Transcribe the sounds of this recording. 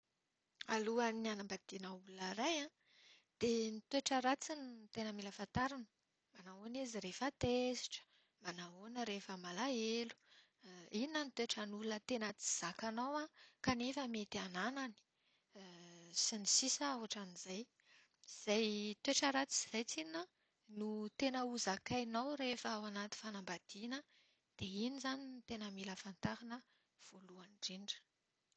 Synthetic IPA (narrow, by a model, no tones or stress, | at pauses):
aluanianambad̪̥inəululəɾajã | d̪̥enit̪weʈ͡ʂəɾat͡sinit̪enəmiləfant̪aɾinə | manaoneziɾefat̪esi̥ʈ͡ʂə̥ | manaonəɾefəmalaelu̥ | inənit̪eʈ͡ʂanulunət̪enət͡si̥z̥akanawãkanefəmet̪iananani̥ | sinisisəawaʈ͡ʂanizaj | z̥ajt̪eʈ͡ʂaɾat͡si̥z̥ajt͡sinə | nut̪enəuzakajnawɾefəawanat̪i̥fanambad̪̥inə | d̪̥einizaninit̪enəmiləfant̪aɾanə | v̥oluanɖ͡ʐiɳɖ͡ʐə̥